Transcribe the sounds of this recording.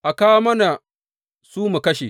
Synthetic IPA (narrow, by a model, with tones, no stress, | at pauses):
ʔa˨kaː˦mɐ˦na˨ | suː˦mu˨kɐ˦ʃḛ˨